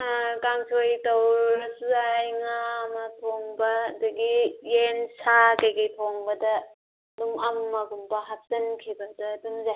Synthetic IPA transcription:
kaŋsʰojtɐwɾɾɐsuajŋamɐtʰoŋbɐːdɐɡijensakɐjɡɐjtʰoŋbɐdɐ | dumɐmːɐɡumbɐɦak̚sɐnkʰibɐdɐdumza

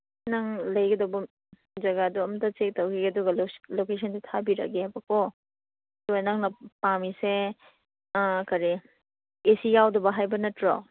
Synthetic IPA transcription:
nɐŋlɐjɡɐdɐwbɐ | d͡ʒɐɡaduɐmtɐt͡ʃek̚tɐwkiɐduɡɐllokes̬ɐnsitʰabiɾɐ̰ɡeajbɐkʰo | tojnaŋnɐpamise | kɐɾi | esijawdɐbɐɦajbɐnɐtɾɔ

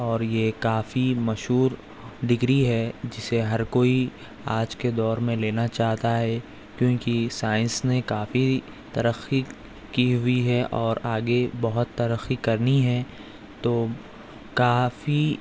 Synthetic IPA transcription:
ɔːɾjekaːfimɐʃɦuːɾ | ɖɪɡɾiɦɛd͡ʒɪseɦɐɾkoːi | aːd͡ʒked̪ɔːɾmẽleːnat͡ʃaːɦt̪aɦɛ | kjõːkisaːɪ̃nsnekaːfi | t̪ɐɾəxi | kiɦʊiɦɛʔɔːɾaːɡebɐɦʊt̪ːɐɾəxikɐɾniɦɛ | t̪oː | kaːfi

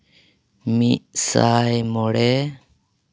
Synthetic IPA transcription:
miʔsajmɔɽɛ

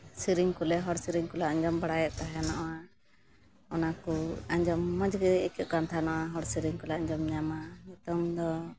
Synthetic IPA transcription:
siɾiŋkulɛɦɔɽsiɾiŋkɔlaaɲd͡ʒɔmbaɽajɔt̪̚t̪aɦɛnɔʔwa | ɔnakuaɲd͡ʒɔmːɔd͡ʒɡɛɛkɛʔ̪̚kant̪ʰanɔʔaɦɔɽsiɾiŋkɔlaaɲd͡ʒɔmɲamaut̪ɔmd̪ɔ

